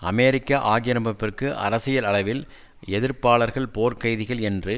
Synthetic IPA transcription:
ʔɐ̰meːɾɪkːɐʔaːɣɪjɐɾɐmbɐpːɪrkɯʔɐ̰ɾɐsɪjɐlɐɭɐʋɪl | ɛðɪɾpaːɭɐɾɣɐɭpoːɾkɐjðɪɣɐɭɛndrɯ

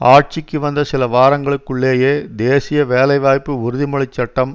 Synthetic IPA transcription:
aːʈ̚t͡ʃɪkːɯʋɐnd̪ɐsɪlɐʋaːɾɐŋɡɐɭɯkːɯɭːeːjeːd̪eːsɪjɐʋeːlɐɪʋaːjpːɯʊɾɯðɪmɐɭɪt͡ʃːɐʈːɐm

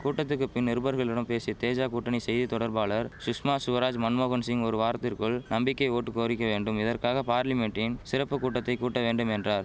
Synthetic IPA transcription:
kuːʈːɐt̪ːɯkːɯpɪnːɪɾɯbɐɾɣɐɭɪɽɐmpeːsit̪eːd͡ʒaːkuːʈːɐɳisɛjðit̪ɔɽɐɾbaːɭɐɾsʊʂmaːsʊʋɐɾaːd͡ʒmɐnmoːɣɐɳsɪŋɔɾɯʋaːɾt̪ːɪrkɯɭnɐmbɪkːɐɪoːʈːɯkːoːɾɪkːɐʋeːɳɖɯmɪðɐrkaːɣɐpaːɾlɪmɛɳʈːɪnsɪɾɐpːɯkuːʈːɐt̪ːɐɪkuːʈːɐʋeːɳɖɯmɛndraːɾ

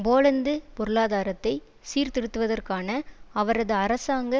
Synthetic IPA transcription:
boːɻɐnd̪ɯpɔɾɯɭaːðaːɾɐt̪ːɐɪ | siːɾt̪ɪɽɯt̪ːɯʋɐðɐrkaːnɐɐʋɐɾɐðɯɐɾɐsaːŋɡɐ

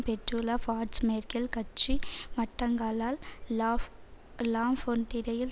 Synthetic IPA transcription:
pɛʈɾulafaːɾsmeːɾkɐlkɐt͡ʃːimɐʈːɐŋɡaːlaːl | laːmfoɳʈɪɾɐjɪl

